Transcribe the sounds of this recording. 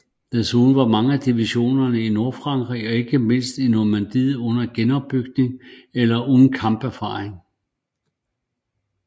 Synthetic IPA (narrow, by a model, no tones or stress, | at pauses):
d̥esuːn̩ʋɑ̈mɑ̈ŋəæd̥iʋiɕo̝̰ːnɐnəino̝ɐfʁɑ̈ŋ̰ɡ̥ʁiɒ̽e̝ɡ̥əme̝n̰sd̥inoɐmænd̥ið̩ˠɔ̽n̰ɐɡ̥enɒ̽b̥ːyɡ̥ne̝ŋelɐʔoðn̩kʰɑ̈mb̥æɐfɑ̰̈ːʁeŋ